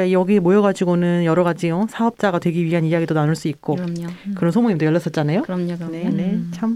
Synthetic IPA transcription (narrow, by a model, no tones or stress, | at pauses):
kaijʌɡiɦemojʌɡad͡ʑiɡonɯnjʌɾʌɡad͡ʑijosʰaʌp̚t͡ɕ͈aɡatwe̞ɡiɥiɦanijaɡidonanuɭs͈uik̚k͈okɯɾʌnsʰomoŋimdojʌɭːʌs͈ʌt̚t͡ɕ͈anajonenet͡ɕʰam